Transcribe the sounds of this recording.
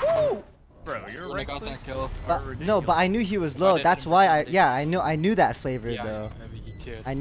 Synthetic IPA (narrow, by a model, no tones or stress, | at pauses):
o | b̥ʌnoʊbʌɾaɪnjʉiwʌzloʊðætswaɪaɪjæaɪnjuʔaɪnjʉðɨtfleɪvə˞ðoʊ | aɪn